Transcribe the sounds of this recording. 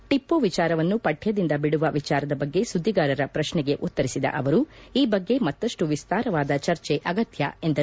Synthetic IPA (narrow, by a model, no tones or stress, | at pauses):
ʈipːoːʋit͡ʃaːɾɐʋɐnːupɐʈʰjɐd̪ind̪ɐbiɽuʋɐʋit͡ʃaːɾɐd̪ɐbɐɡːe̞sud̪ʱːiɡaːɾɐɾɐpɾɐʃɳɛɡe̞ʔut̪ːɐɾisid̪ɐ̰ʔɐʋɐɾuiːbɐɡːe̞mɐt̪ːɐʂʈuʋist̪aːɾɐʋaːd̪ɐt͡ʃɐɾt͡ʃeʔɐɡɐt̪jɐ̰e̞nd̪ɐ